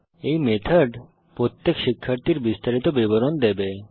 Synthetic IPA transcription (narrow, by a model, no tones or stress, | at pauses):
ejmet̪ʰaɖ | pɾot̪ːekʃikʰːaɾt̪iɾbist̪aɾit̪obiboɾond̪ebe